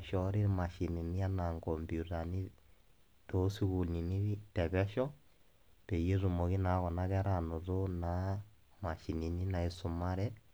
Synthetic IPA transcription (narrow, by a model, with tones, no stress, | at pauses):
ʃɔ˦ɾi˦ɾma˨ʃi˨ni˨ni˦a˦na˨ŋɡɔ˨mbju˨ta˨ni˦ | to˦si˦ɣu˨lni˨ni˦tɛ˨βɛ˦ʃɔ˦ | pe˨je˦ɾu˨mo˨ɣi˦na˨˦ɣɔ˨na˦ɣɛ˦ɾa˦˨nɔ˨ɾo˦na˨˦ | ma˨ʃi˨ni˨ni˦na˨i˨sʊ˨ma˦ɾɛ˦